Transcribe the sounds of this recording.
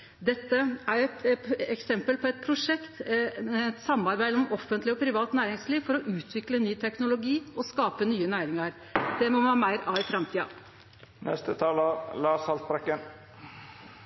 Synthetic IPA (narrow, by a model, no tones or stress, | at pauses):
d̪ɛt̪ːəæɾɛt̪ɛksɛmpəlpʰɔɛt̪̚pʰɾʊʂɛkt̪ | t̪sɑmːɑɾbæɪd̪əɔmʔɔfːənt̪lɪɔpʰɾɪʋɑːt̪næːɾɪŋsliːʋfɔɾɔʔʉːt̪ʰʋɪklənːyːt̪ʰɛknʊlʊɡiːɔskɑːpənyːənæːɾɪŋɑɾ | d̪̥ɛmɔɑːmæɪɾɑːʋɪfɾɑmt̪ʰiːɑ̰ | nʔɛ̰st̪ət̪ʰɑːləlɑːsɑlt̪̚bɾɛkːən